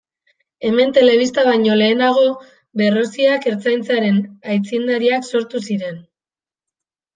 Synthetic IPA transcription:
e̞me̞nt̪e̞le̞β̞ist̪aβajɲo̞le̞ːnaɣ̞o̞ | βe̞ro̞siake̞ɾt͡sajnt͡saɾe̞najt͡sind̪aɾiakso̞ɾt̪usiɾe̞n

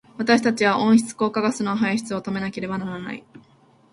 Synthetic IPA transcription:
β̞at̪aɕi̥t̪at͡ɕiβaʔõ̞ɰ̃çi̥t͡sɨ̥ko̞ːkaɡasɨno̞ɦaiçi̥t͡sɨo̞t̪o̞me̞nake̞ɾe̞banaɾana̰ḭ

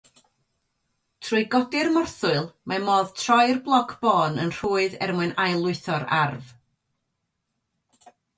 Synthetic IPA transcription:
tʰrʊɨɡɔdɪrmɔrθʊɨlˠmamɔːðtʰrɔjrblˠɔkʰb̥ɔːnə̰nr̥uːɨðɛ̰rmwɨnajlˠʊɨθɔɾa̰rv

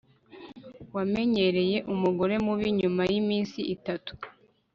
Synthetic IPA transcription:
wame̞ɲe̞ɾe̞je̞ʔumuɡo̞ɾe̞muβiɲumajimiːnsiʔitatu̥

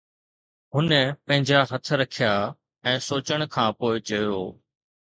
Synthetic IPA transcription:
ɦʊnəpɐ̃ɦɪ̃ɲd͡ʑaɦɐt̪ʰɾɐkʰijaː | ɛ̃ːsoːt͡ɕəɽ̃kʰãːpoːɪt͡ɕɐjoː

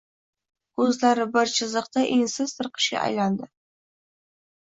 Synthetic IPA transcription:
kʰɵzlaɾɪbɪɾt͡ʃʰɪzɨqt̪aʔensɪzt̪ʰɨɾqʰə̥ʃkʲa̰ʔa̰jland̪ɪ

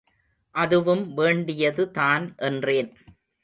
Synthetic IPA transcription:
ʔɐðɯʋɯmʋeːɳɖɪjɐðɯtaːnʔɛndreːn

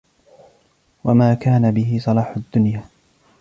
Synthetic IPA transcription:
wamaːkaːnabɪɦɪsˤɑlɑːħʊd̪ːʊnjaː

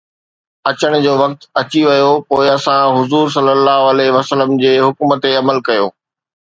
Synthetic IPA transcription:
ɐt͡ɕəɽ̃ʊ̆d͡ʑoːʋɐk̚t̪ɐt͡ɕiʋɐjopoːɪɐsãɦʊzuːɾs̬ɐlːəlːaːɦoɐleʋɐsələmd͡ʑeːɦʊkmə̆t̪eɐməlkɐjo̰ː

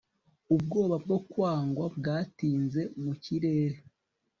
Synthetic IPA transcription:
ub̚ɡo̞ːβab̚ɡo̞kwaːŋɡwabɡaːtiːnze̞muciɾe̞ːɾe

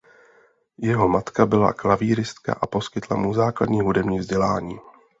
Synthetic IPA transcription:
jɛɦo̞mat̪kabɪla̰klaviːɾɪst̪ka̰ʔapo̞skɪt̪lamuzaːkla̰dɲiːɦudɛmɲiːvzɟɛlaːɲiː

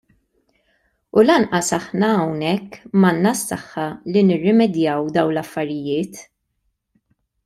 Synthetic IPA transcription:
ulɐnʔɐsɐħnɐːwnɛkːmɐnːɐsːɐħːɐlinɪrːɪmɛd̪jɐwd̪ɐwnlɐfːɐɾɪjɪːt̪

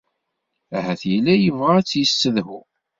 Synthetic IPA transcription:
æhæθjəlːæjəvʁaæt͡sːjəsːəðhʊ

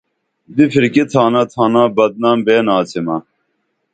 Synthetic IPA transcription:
d̪ifʰiɾkit̪ʰaːnɐt̪ʰaːnãːbɐd̪̚naːmbeːnaːt͡sʰemaː

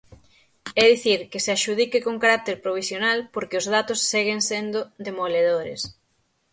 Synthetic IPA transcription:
ɛðiθiɾkɪsɪaʃuð̞ikekoŋkaɾak̚t̪eɾpɾoβ̞isjonalpoɾkɪʊzð̞at̪ʊsːeɣeŋsend̪ʊd̪emoleðoɾḛs

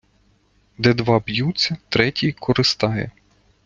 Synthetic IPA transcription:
d̪ɛd̪ʋɑbjutt͡sʲːɐt̪ɾɛtʲijkʰɔɾɪst̪ɑjɛ̰

